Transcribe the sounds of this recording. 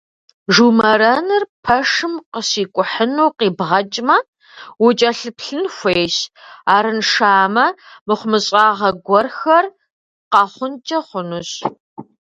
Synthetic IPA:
ʒuːmɐɾɐnɨrpʰɐʂɨmqəsiːkʷʼʊħənuːqiːbʁɐt͡ʃʼmɐ | wʊt͡ʃʼɐɬɨpʰɬɨnxʷejɕaːɾɨnʂaːmɐmɨχʷʊmɨɕʼaːʁɐɡʷɔrxɐr | qɐχʷʊnt͡ʃʼɐχʷʊnuɕ

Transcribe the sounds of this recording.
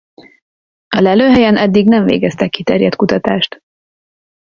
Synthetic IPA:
ɒlɛløːɦɛjɛnɛd̪ːiɡnɛɱvḛːɡɛst̪ɛkːit̪ɛrjɛt̪kut̪ɒt̪aːʃt̪

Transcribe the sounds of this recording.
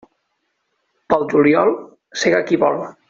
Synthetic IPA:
pald͡ʒuljɔlˠ | seɣakiβɔ̰lβa

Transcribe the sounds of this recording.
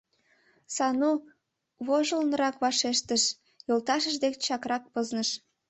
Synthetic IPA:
sɑnu | βoʒəlnəɾɑkβɑʃeʃt̪əʃ | jolt̪ɑʃəʃd̪ekt͡ɕɑkrɑk̚pəznəʃ

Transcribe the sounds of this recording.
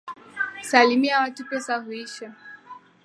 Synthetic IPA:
salimiawatupɛsaɦuiʃa

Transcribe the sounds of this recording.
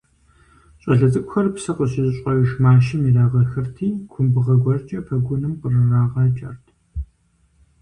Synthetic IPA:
ɕʼɐɮɐt͡sʼɨkʷʊxɐrpsɐqəɕɪzɨɕʼɐwʊʃmaːʃɪmiraːʁɐxɨrtʰiːkʷʰʊmbɨʁɐɡʷɔrt͡ʃʼɐpʰɐɡʷʊnɨmqərɨraːʁɑːt͡ʃʼɐrtʰ

